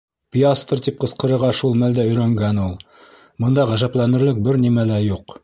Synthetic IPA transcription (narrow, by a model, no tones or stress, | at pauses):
pʲiast̪rt̪ip̚qɤ̆sqɤ̆ɾɤ̆ɾʁɑʃulˠmæld̪æɵ̆jɾæŋɡænulˠ | mɤ̆nd̪ɑʁæʒæplænɘ̆ɾlɘk̚bɘɾnimælæjuq